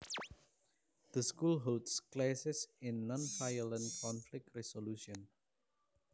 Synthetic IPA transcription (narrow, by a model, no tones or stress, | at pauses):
d̪̥əskulɦoltsklasɪsɪ̃nːɔ̃nfajələ̃nkɔ̃nflɪk̚tɹɛsoluʃɔ̃n